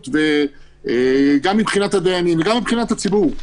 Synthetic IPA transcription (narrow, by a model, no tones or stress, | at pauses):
t̪ve | eɡamːibχinat̪had̪eaninveɡamːibχinat̪hat͡sibuʁ